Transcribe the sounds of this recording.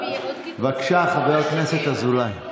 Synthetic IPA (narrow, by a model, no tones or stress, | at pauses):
vakʃaχaveʁokneset̪azulaj